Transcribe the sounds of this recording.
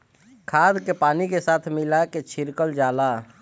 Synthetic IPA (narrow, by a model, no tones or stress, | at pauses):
kʰaːd̪kepaːnikesaːt̪ʰmɪlaket͡ʃʰɪɾkəld͡ʒaːla